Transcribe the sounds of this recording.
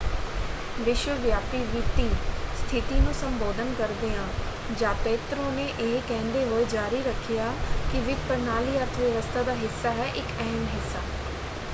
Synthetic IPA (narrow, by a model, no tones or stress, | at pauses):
ʋɪʃʋəʋjaːpiʋit̪ist̪ʰɪt̪inũːsɐ̃mboːd̪ʱənkɐɾd̪eãː | d͡ʒãːpeːt̪ɾõneʔeɦkɛ̃ːnd̪eɦoːed͡ʒaːɾiɾɐkʰijaːkiʋɪkpəɾnaːliəɾt̪ʰəʋjɐʋəst̪ʰad̪aːɦɪsːaɦɛʔɪkɛɦɛmɦɪsːaː